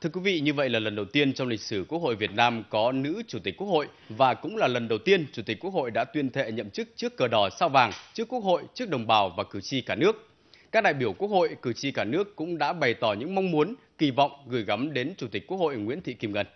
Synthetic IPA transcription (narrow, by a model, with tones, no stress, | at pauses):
t̪ʰɨ˧əkwi˨˦vḭ˧˨ɲɨ˧və̰˧˨jlaː˨˩lə˨˩nɗə˨˩wt̪i˧ənt͡ɕɔ˧wŋ͡mlï˨˩k̟̚sɨ˧˩ku˦˥ək̚ho̰˧˨jvi˨˩ət̚naː˧mkɔ˨˦nɨ̰˧˥t͡ɕu˧˩t̪i˨˩k̚kːu˥k̚ho̰˧˨j | vaː˨˩kʊ̰˧˥ŋ͡mlaː˨˩lə˨˩nɗə˨˩wt̪i˧ənt͡ɕu˧˩t̪i˨˩k̟̚ku˦˥ək̚ho̰˧˨jɗa̰ː˧˥t̪wi˧ənt̪ʰḛ˧˨ɲə̰˧˨mt͡ɕɨ˦˥k̚t͡ɕɨ˦˥əkːəː˨˩ɗɔ˨˩saː˧wvaː˨˩ŋt͡ɕɨ˦˥əkːu˦˥ək̚ho̰˧˨jt͡ɕɨ˦˥ək̚ɗə˨˩wŋ͡mɓaː˨˩wvaː˨˩kɨ˧˩t͡ɕi˧kaː˧˩nɨ˦˥ək̚ | kaː˦˥k̚ɗa̰ː˧˨jɓi˧˩əwku˦˥ək̚ho̰˧˨jkɨ˧˩t͡ɕi˧kaː˧˩nɨ˦˥əkːʊ̰˧˥ŋ͡mɗa̰ː˧˥ɓa˨˩jt̪ɔ˧˩ɲɨ̰˧˥ŋma˧wŋ͡mmu˨˦ən | ki˧˩vɔ̰˧˨wŋ͡mɣɨ˨˧˩jɣa˨˦mɗe˨˦nt͡ɕu˧˩t̪i˨˩k̟̚ku˦˥ək̚ho̰˧˨jŋwḭ˧˥ənt̪ʰḭ˧˨ki˧mŋə˧˩n